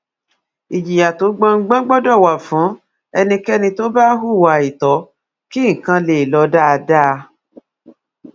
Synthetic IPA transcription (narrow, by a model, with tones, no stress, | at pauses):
i˨d͡ʒi˨ja˨to˨˦ɡ͡bã˧ŋ̩˦ɡ͡bã˦ɡ͡bɔ˦dɔ˦˨wa˨fũ˨˦ | ɛ˧nĩ˧kɛ˦nĩ˧to˦ba˦ɦu˦˨wa˨˧˨i˨tɔ˨˦ | ki˦ŋ̩˨kã˧le˨lɔ˨˧˦da˦˧da˦˧